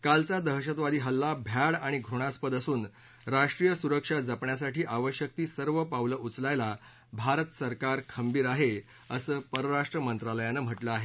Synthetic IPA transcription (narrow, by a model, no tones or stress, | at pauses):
kalt͡sad̪əɦɕət̪ʋad̪iːɦəlːabʱjaɽaɽ̃iɡʱɾuɽ̃aspəd̪əsuːn | ɾaʂʈɾijəsuɾəkʂad͡zəpɳjasaʈʰiːʔaʋəɕjək̚t̪iːsəɾʋəpaʋləʔut͡slajla | bʱaɾət̪səɾkaɾkʰəmbiːɾaɦe | əsəːpəɾəɾaʂʈɾəmənt̪ɾaləjanəm̤əʈləaɦe